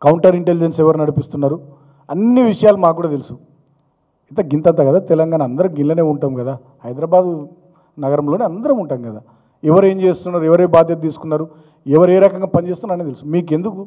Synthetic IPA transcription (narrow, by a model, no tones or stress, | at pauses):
kɐwuɳʈɐɾiɳʈelid͡ʒensɛʋɐɾnɐɽipist̪unːaːɾu | ɐnːiʋiʂɐjaːlumaːkːuːɽaːt̪elusu | it̪ɐɡint̪ɐnt̪aːɡɐd̪aːt̪ɛlɐŋɡaːnɐnd̪ɐɾɐmɡilɐne̞ːuɳʈaːmɡɐd̪aː | hɐjd̪ɾaːbaːd̪u | nɐɡɐɾɐmlo̞ːniɐnd̪ɐɾɐmuɳʈaːmɡɐd̪aː | ɛʋɐɾe̞ːɲt͡ʃe̞ːst̪unːaːɾuɛʋɐɾɐbaːd̪jɐt̪ɐt̪iːsu̥kunːaːɾu | ɛʋɐɾeːɾɐkɐŋɡaːpɐnd͡ʒest̪unːaːɾɐnit̪elusumiːk̬e̞nd̪uku